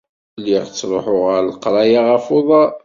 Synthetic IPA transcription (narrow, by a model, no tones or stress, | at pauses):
liʁt͡sːɾˤo̰ħʊʁəɾlqɾˤɑjaʁæfoðˤɑ